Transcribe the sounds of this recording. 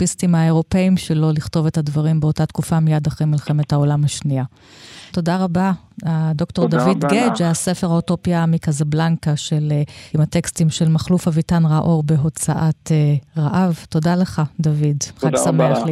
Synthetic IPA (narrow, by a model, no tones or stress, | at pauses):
pistimaeʁo̞pe̞imʃelo̞liχto̞vethadvaʁimbeo̞tatkufamijadaχʁejmilχe̞methao̞lamaʃnia | to̞daʁaba | ad̪o̞kto̞ʁdavid̪ɡed͡ʒasefeʁhaoto̞pjamikazablaŋkaʃelimatekstimʃe̞lmaχlufhavitanʁaʔo̞ʁbe̞ɦo̞t͡saʔat̪eʁaʔavto̞dale̞χad̪avidχaɡsameaχ